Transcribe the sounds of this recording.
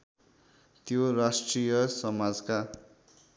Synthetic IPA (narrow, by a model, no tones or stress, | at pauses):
t̪jorasʈrijʌsʌmad͡zka